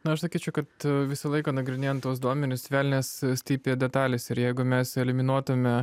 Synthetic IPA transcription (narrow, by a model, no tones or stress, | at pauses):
nʊɐʃsɐkʲiːt͡ʃʲɛʊkɐt̪ʋʲɪsɐlˠɐɪkɐːnɐɡɾʲɪnʲeːjɛnt̪ːuɔsd̪uɔmʲɛnʲʊsʲʋʲæːlʲnʲeːssʲt̪ʲiːpʲːdʲɛt̪ɑːlʲɪsɪɾjɛɪɡʊmʲɛsɛlʲɪmʲɪnuɔt̪ʊmʲɛ